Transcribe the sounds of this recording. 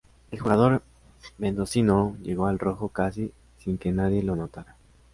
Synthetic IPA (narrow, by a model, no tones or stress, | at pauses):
e̞lxuɣað̞o̞ɾ | mẽ̞nd̪o̞sinoʝe̞ɣo̞alro̞xokas̬i | siŋke̞naðje̞lo̞no̞t̪aɾa